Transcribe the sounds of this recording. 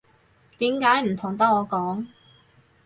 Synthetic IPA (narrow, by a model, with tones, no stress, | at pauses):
t̪iː˨˥mkaː˨˥jm̩˨˩t̪ʰʊ˨˩ŋt̪ɐ˥k̚ɔː˨˧kɔː˨˥ŋ